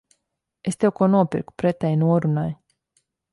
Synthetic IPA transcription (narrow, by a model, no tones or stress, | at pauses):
est̪eokonopḭrku̥pɾet̪ainuoɾunaj